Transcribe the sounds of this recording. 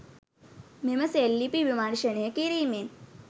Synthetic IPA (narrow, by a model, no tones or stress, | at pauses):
memɐselːipiʋimaːɳʃənekiɾiːmen